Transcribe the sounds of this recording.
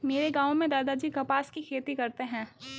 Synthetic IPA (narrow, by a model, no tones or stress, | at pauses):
meːɾeɡaːõmẽd̪aːd̪ad͡ʒiːɡɐpaːskikʰeːt̪ikɐɾt̪eɦɛ̃ː